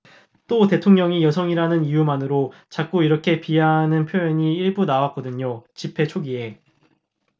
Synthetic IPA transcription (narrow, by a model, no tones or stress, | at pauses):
t͈ote̞tʰoŋɲʌŋijʌsʰʌŋiɾanɯnijumanɯɾot͡ɕak͈̚uiɾʌkʰe̞pianɯnpʰjoeɲiiɭbunawak͈̚ʌdɯɲot͡ɕipʰe̞t͡ɕʰoɡie̞